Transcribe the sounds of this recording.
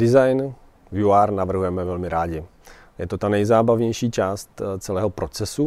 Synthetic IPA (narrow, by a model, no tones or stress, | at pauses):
dɪzajn | vjuaːɾnavr̩ɦujɛmɛvɛlmɪɾaːɟɪ | jɛt̪ot̪anɛjzaːbavɲɛjʃiːt͡ʃaːst̪t͡sɛlɛːɦopɾo̞t͡sɛsu